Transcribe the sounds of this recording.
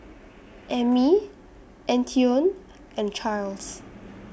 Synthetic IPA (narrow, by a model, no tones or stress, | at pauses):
ʔɛmi | ʔɛ̃ntʰiõn | ɛ̃nt͡ʃʰals